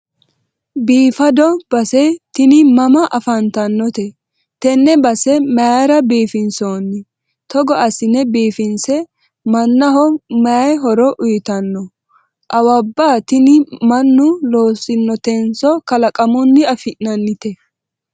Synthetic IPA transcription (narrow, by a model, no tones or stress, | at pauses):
biːfɐd̪ɔb̥ɐsɛt̪ɪnɪmɐmɐʔɐfɐnt̪ɐnːɔt̪ɛ | t̪ɛnːɛbɐsɛmɐɾɐbiːfɪnsoːnːɪ | t̪ɔɡɔʔɐsɪnɛbiːfɪnsɛ | mɐnːɐɦɔmɐjɦɔɾɔʔʊjɪt̪ɐnːɔ | ʔɐwɐbːaːt̪ɪnɪmɐnːʊloːsɪnːɔt̪ɛnsɔkɐlɐkʼɐmʊnːɪɐfɪʔnɐnːɪt̪ɛ